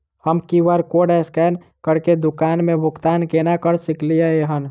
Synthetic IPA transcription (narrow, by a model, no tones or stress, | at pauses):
həmkiʋaɾkoːɽɛskɛːn | kəɾked̪ʊkaːnmẽbʱʊkt̪aːnkenakəɾsɪklijaeɦən